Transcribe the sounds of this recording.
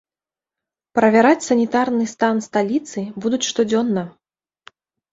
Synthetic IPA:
pɾɐvʲaɾat͡sʲsɐnʲit̪arnɨst̪anst̪alʲit̪sɨbud̪ut͡sʲʂt̪ɔd͡zʲɔnːɐ

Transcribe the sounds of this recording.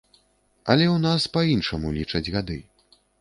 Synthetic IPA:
ɐlʲɛwnaspainʂɐmulʲit͡ʂɐd͡zʲɣad̪ɨ

